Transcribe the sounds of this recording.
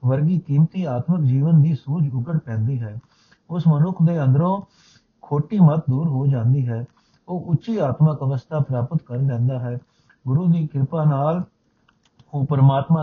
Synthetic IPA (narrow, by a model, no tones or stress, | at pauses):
ʋəɾɡiːkiːmt̪iːaːt̪məkd͡ʒiːʋənd̪iːsuːd͡ʒʊɡəɽpɛ̃ːnd̪iːɦɛː | ʊsmənʊkʰd̪eːə̃nd̪ɾõː | kʰoːʈiːmət̪̚d̪uːɾɦoːd͡ʒãːnd̪iːɦɛː | oːʔʊt͡ʃʃiːaːt̪məkəʋəst̪ʰaːpɾaːpət̪kəɾlɛ̃ːnd̪aːɦɛː | ɡʊɾuːd̪iːkɪɾpaːnaːl | oːpəɾmaːt̪mãː